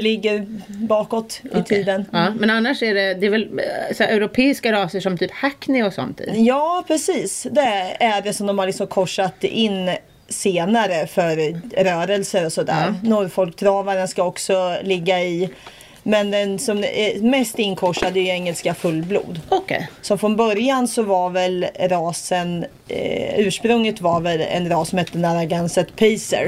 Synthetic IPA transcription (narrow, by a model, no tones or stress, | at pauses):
lɪɡːəɾbɑːkɔt̪ɪ̰t̪ʰiːd̪ənːmɛnanːaʂæɖɛd̪ɛɛvɛlsɛʔɛʉɾʊpʰeːɪskaɾɑːsəʂɔmt̪ʰyːphakːnɪɔsɔ̰nt̪ɪ̰jɑːpʰɾɛsiːsd̪ɛæɖɛsɔmd̪ɔmhalɪksɔmkʰɔʂat̪ɪnː | seːnaɾəfœɾɾœːɾəlsəɾɔsɔd̪æ̰ːɾnuːɾfɔlkt̪ʰɾɑːvaɾənskaɔksɔlɪɡːaɪ | mɛnd̪ɛnsɔm̰mɛst̪ɪnkʰɔʂad̪ɛʏɛŋːəlskafɵlːblṵːd̪sɔfɾɔnbœɾjansɔvaɾvɛlɾɑːsən | ʉ̟ːʂpɾɵŋlɪt̪vaɾvɛlɛ̰nɾɑːsɔmhɛt̪ːənaɾaɡɛnsət̪pʰiːsə̰ɾ